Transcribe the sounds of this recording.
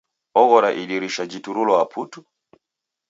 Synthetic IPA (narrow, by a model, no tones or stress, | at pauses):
ɔɣɔɾaʔiɗiɾiʃad͡ʒituɾulɔapʰutu